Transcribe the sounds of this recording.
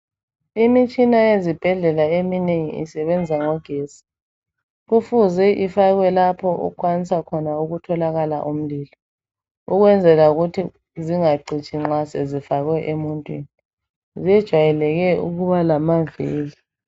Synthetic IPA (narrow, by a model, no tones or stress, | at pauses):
imit͡ʃʼinajezib̥ʱɛɮɛlaemineŋḭḭsɛβɛnd͡zʱaŋɔɡ̥ʱeːsi̥ | ɣufuzɛʔifaɣwɛlapʰɔṵkʰwanisakʰɔnauɣutʰɔlaɣala̰ʔum̩liːlɔ | uɣwɛnd͡zʱɛlauɣutʰi | ziŋaǀit͡ʃʼiŋ͡ǁasɛzifaɣwɛʔemuntʼwḭːni | ziɛd̥ʒ̥ʱwajɛlɛɣɛṵɣuβalamaveːli